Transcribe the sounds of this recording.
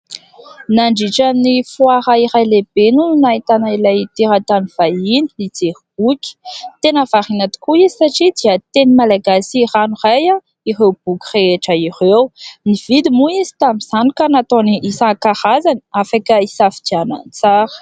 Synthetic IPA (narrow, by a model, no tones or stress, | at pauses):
naɳɖ͡ʐiʈ͡ʂamnifwaɾaiɾajleb̥enunait̪anailajt̪iɾat̪aniv̥ajinilid͡zeɾib̥ukʲi̥t̪enəvaʁinat̪u̥kuizi̥saʈ͡ʂid̪iət̪enimalaɡasiranuraja | irewb̥ukʲi̥reeʈ͡ʂəirewniv̥id̪imuizi̥t̪amiz̥anikənat̪oniisãkaʁazani̥afakəisafid̪iana̰nt͡saɾə̥